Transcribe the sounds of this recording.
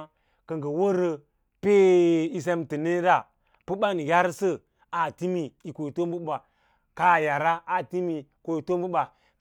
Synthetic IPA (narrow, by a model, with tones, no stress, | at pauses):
kə˨ŋɡə˨wo˦ɾə˨ | pe˦i˦s̬e˦mtə˨ne˦ɾa˦˨ | pə˦ɓa˦n˨ja˦ɾsə˦ | a˨ti˦mi˨i˨ko˨i˨to˦m˦bu˦ɓa˨ | ka˦˨ja˨ɾa˦a˨ti˦mi˨ko˨i˨to˦mbu˦ɓa˨